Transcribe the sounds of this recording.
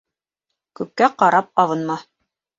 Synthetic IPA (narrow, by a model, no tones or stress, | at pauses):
kʉp̚kæqɑɾɑp̚ɑβɤ̆nmɑ